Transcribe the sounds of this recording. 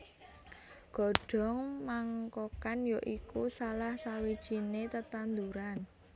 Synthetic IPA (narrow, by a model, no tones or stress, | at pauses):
ɡ̥ɔ̤ɖ̥ɔ̤ŋmaŋkokanjoʔikusalahsawid̥ʒ̥inet̪ət̪and̪uɾan